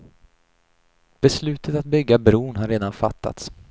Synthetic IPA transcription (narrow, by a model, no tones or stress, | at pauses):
b̥ɛslʉ̟ːt̪ʰət̪at̪̚bʏɡːabɾuːɳɦaɾeːd̪anfa̰t̪ʰːa̰t̪s